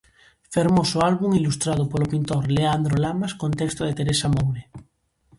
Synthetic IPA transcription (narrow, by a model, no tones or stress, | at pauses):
feɾmosoalβuŋilust̪ɾað̞opolopint̪oɾleand̪ɾolamaskõnt̪ekst̪oðet̪eɾesamowne